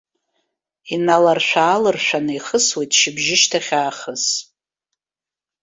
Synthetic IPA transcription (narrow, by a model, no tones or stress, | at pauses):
inalarʃʷᶣaːlɨrʃʷᶣanɨiχəswejtʼʃɪbʒɪʃtʰaχʲaːχəs